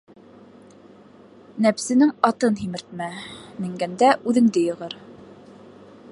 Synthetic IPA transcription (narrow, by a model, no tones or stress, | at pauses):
næpsɘ̆nɘŋɑt̪ɤnɦimɘ̆ɾt̪̚mæmɘ̆ŋɡænd̪æʔʉðɘ̆ŋd̪ɘjɤ̆ʁɤɾ